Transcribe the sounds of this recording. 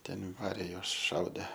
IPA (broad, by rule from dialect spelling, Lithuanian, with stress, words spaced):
ˈtʲɛn ˈʋɑːrʲeː ˈjuɔs ˈʃɐʊdʲeː